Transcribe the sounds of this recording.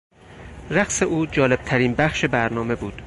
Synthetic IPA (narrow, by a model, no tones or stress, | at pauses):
ræqse̞ʔuːd͡ʒɒːle̞b̥̚t̪ʰæɾiːnbæχʃe̞bæɾnɒːme̞buːd̪̥